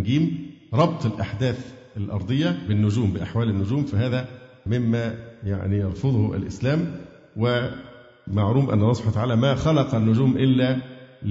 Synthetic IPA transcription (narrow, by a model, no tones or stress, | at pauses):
ɡiːm | ɾˤɑbt̪ˤɪlʔaħd̪æːθʔælʔɑ̰ɾˤd̪ˤɨjːɑbɪnːʊd͡ʒuːmbɪʔaħwæːlɪnːʊd͡ʒuːmfæɦæːðæ | mɪmːæja̰ʕnijɑɾˤfoðˤhʔæ̰lʔɪslæːm | wɪ | maʕɾuːmʔæ̰nːɑlˤːɑsˤbawːt̪aʕaːlæmæxɑlɑqɑnːʊd͡ʒuːmʔɪlːæ